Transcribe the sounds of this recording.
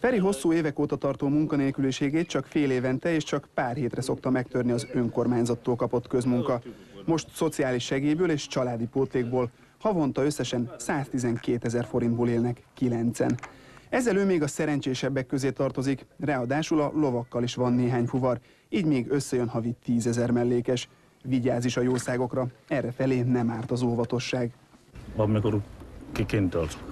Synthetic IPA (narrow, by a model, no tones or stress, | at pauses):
fɛɾiɦo̞sːuːeːvɛkoːt̪ɒt̪ɒrt̪oːmuŋkɒneːlkyliʃeːɡeːt̪t͡ʃɒkfeːleːvɛnt̪ɛeːʃt͡ʃɒkpaːrheːt̪rɛso̞kt̪ɒmɛkt̪ø̞rniɒzø̞ŋko̞rmaːɲzɒt̪ːoːlkɒpo̞t̪kø̞zmuŋkɒ | mo̞ʃt̪so̞t̪siaːliʃɛɡeːjbøːleːʃt͡ʃɒlaːd̪ipoːt̪leːɡ̚boːl | hɒvo̞n̪t̪ɒø̞sːɛʃɛnsaːst̪izɛŋkeːt̪ɛzɛrfo̞ɾind̪boːleːlnɛkːilɛnt̪sɛ̰nɛzːɛløːmeːɡɒsɛɾɛnt͡ʃeːʃɛbːɛkːø̞zeːt̪ɒrt̪o̞zikrɛɒd̪aːʃulɒlo̞vɒkːɒliʃʋɒnːeːɦaːɲfuvɒr | iːɟmeːɡø̞sːɛjø̞nɦɒvitt̪ːiːzɛzɛrmɛlːeːkɛʃ | viɟaːziʃɒjoːsaːɡo̞krɒɛrːɛfɛleːnɛmaːrt̪ɒzolvɒt̪o̞ʃːaːɡ | ɒmikoɾkikent̪ølt̪